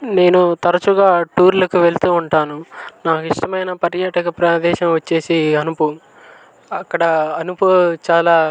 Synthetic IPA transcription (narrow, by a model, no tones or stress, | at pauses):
ne̞ːnut̪ɐɾɐt͡ʃuɡaːʈuːɾlɐkuʋe̞lit̪uːɳʈaːnunaːkiʂʈɐmɐjnɐpɐɾjaːʈɐkɐpɾɐd̪ɛːʃɐmʋɐt͡ʃːe̞ːsiɐnupu | ɐkːɐɽɐɐnuput͡ʃaːlaː